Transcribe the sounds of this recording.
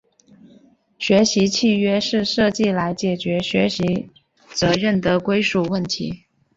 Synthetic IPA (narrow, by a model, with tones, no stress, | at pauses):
ɕɥɛ˧˥ɕi˧˥t͡ɕʰi˥˩ɥɛ˥ʂɻ̩˥˧ʂɤ˥˧t͡ɕi˥˩la˧˥ɪt͡ɕjɛ˨˩t͡ɕɥɛ˧˥ɕɥɛ˧˥ɕi˧˥ | t͡sɤ˧˥ɻə˥˩nd̪ə˩kwe˥ɪʂu˥˩wə˥˩nt̪ʰḭ˧˥